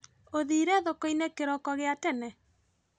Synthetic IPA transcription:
oðiːɾɛðokoinekeɾɔkɔɣeatɛnɛ

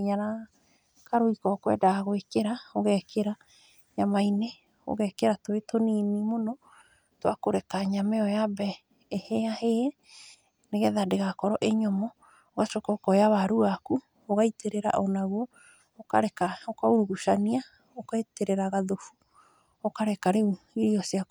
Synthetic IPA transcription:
iɲaɾa | kaɾoikɔkwɛ̰daɣoekeɾaoɣɛkʰeɾa | ɲamaine | o̰ɣɛkeɾatoetoninimonɔ | twakoɾekaɲamɛɔjabɛː | hɛaheɛ | neɣɛðadeɣakɔɾɔʔeɲɔmɔ | oɣaʃokɔkɔjaβaɾuaku | oɣaiteɾeɾa̰ʔɔnaɣwɔ | okaɾɛkaokauɾuɣuʃania | okaeteɾeɾaɣaðofu | okaɾɛkaɾeuiɾiɔsiaku

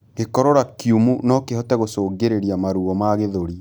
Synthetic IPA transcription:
ɣekɔɾɔɾakiumunɔkeɦɔtɛɣosoːɡeɾeɾiamaɾuɣɔmaɣeðoɾi

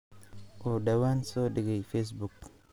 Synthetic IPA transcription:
odawansodiɡejfes̬buk

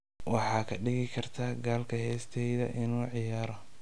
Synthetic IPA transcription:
wɑħɑːkʰɐɖɪɣɪkʰɐrt̪ʰaːɡaːlkʰɐhɛːst̪ʰɛjðɐ̰ʔɪnuːʕɪjaːɾɐ

